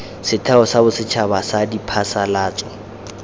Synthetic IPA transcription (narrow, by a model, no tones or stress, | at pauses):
sɪtʰaɔsabʊsɪt͡ʃʰabasadipʰasalaːt͡sʼɔ